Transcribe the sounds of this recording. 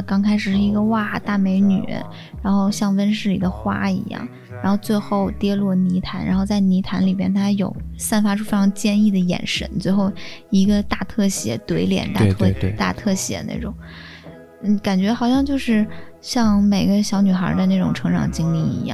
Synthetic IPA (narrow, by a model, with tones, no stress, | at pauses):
kɑ˥ŋkʰa˥ɪʂɻ̩˨˩ʂɻ̩˥˩i˧˥ɡə˧wa˥˩t̪a˥˩me˧˥ɪny̰˨˩˥ | ɻa˧˥nxo˥˧ʊɕjɑ˥˩ŋwə˥nʂ̬ɻ̩˥˩li˨˩d̪ə˦xwa̰˥ḭ˧˥jɑ̰˥˩ŋ | ɻa˧˥nxo˥˧ʊt͡swe˥˧ɪxo˥˩ʊt̪jɛ˥lwɔ˥˩ni˧˥t̪ʰa˧˥nɻa̰˧˥nxo˥˧t͡sa˥˩ɪni˧˥t̪ʰa˧˥nli˨˩bjɛ̰˥nt̪ʰa˥jo˨˩ʊsa˥˩nfa˥ʈ͡ʂʰu˥˩fe˥ʈ͡ʂʰɑ˧˥ŋt͡ɕjɛ˥˧ni˥˩d̪ə˩jɛ̰˨˩nʂə̰˧˥˦nt͡swe˥˧ɪxo˥˩ʊi˧˥ɡə˧t̪a˥˧t̪ʰɤ˥˩ɕjɛ˧˥t̪we˧˥ɪljɛ̰˨˩nt̪a˥˧˥t̪a̰˥˧t̪ʰɤ˥˩ɕjɛ̰˧˥na̰˥˩ʈ͡ʂʊ˨˩˦ŋ | n̩˥˩ka˨˩nt͡ɕɥɛ˧˥xɑ˨˩ʊɕjɑ˥˧ŋt͡ɕjo˥˧ʊʂɻ̩˥˧ɕjɑ˥˩ŋme˨˩ɪɡə˦ɕjɑ˧˥ʊny˨˩xə̰˞˧˥d̪ə˧na˥˩ʈ͡ʂʊ˨˩ŋʈ͡ʂʰɤ˧˥ŋʈ͡ʂʰɑ̰˨˩ŋt͡ɕi˥ŋli˥˩ḭ˧˥jɑ̰˥˩ŋ